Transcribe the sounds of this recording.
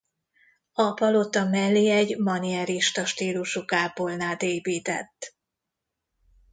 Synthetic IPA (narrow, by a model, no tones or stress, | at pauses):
ɒpɒlot̪ɒmɛlːiɛɟmɒniɛɾiʃt̪ɒʃt̪iːluʃukaːpolnaːt̪eːpiːt̪ɛ̰t̪ː